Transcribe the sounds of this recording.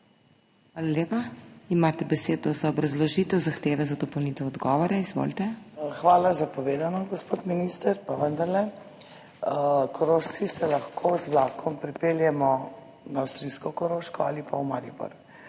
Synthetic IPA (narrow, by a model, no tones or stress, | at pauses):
xxʋaːlaleːpaimaːt̪ɛbɛseːd̪ɔzaɔbɾɐzlɔʒit̪ɛwzaxt̪eːʋɛzad̪ɔpɐwnit̪ɛɔd̪ɡɔːʋɔɾaizʋo̰lt̪ɛxʋaːlazapɔʋeːd̪anɔɡɔspot̪minist̪əɾpaʋənd̪aɾlɛ | kʰɔɾoʃt͡s̪isɛlaxkʰozʋlaːkʰɔmpɾipeːljɛmɔ | naːwst̪ɾiskɔkɔɾoːʃkɔalipawmaɾibɔ̰ɾ